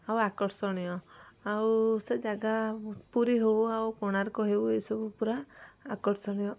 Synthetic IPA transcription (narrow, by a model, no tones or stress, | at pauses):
awakɔʈsɔɽ̃ijɔawsed͡ʒaɡapuɾiɦewawkɔɽ̃aɾɔkɔɦewejsɔbupuɾaːkɔʈsɔɽ̃ijɔ